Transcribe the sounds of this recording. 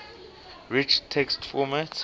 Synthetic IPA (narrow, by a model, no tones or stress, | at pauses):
ɹit͡ʃtʰɛkstfɔmat